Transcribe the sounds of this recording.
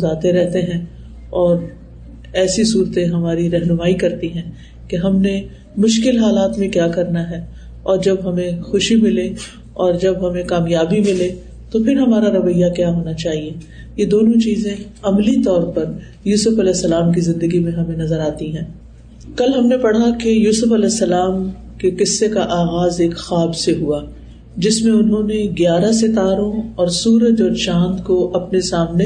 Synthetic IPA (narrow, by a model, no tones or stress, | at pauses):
zaːt̪eɾɛɦt̪eɦɛ̃ | ɔːɾ | ɛːsisuːɾt̪ẽɦɐmaːɾiɾɛɦnʊmaːikɐɾt̪iɦɛ̃ː | keɦɐmne | mʊʃkɪlɦaːlaːt̪mẽkjaːkɐɾnaɦɛː | ɔːɾd͡ʒɐbɦɐmẽxʊʃimɪle | ɔːɾd͡ʒɐbɦɐmẽkaːmjaːbimɪle | t̪opʰɪɾɦɐmaːɾaɾɐʋəjakjaɦoːnat͡ʃaːɦie | jed̪oːnõt͡ʃiːzẽɐmlit̪ɔːɾpɐɾ | juːsʊfɐlɛːsːɐlaːmk̬izɪ̃nd̪əɡimẽɦɐmẽnɐzəɾaːt̪iɦɛ̃ː | kɐlɦɐmnepɐɽ̤akejuːsʊfɐlɛːsːɐlaːm | kekɪsːekaʔaːɣaːzeːkxaːbseɦua | d͡ʒɪsmẽʊnɦõneɡjaːɾas̬ɪt̪aːɾõɔːɾsuːɾəd͡ʒɔːɾʃãːnd̪koʔɐpnesaːmne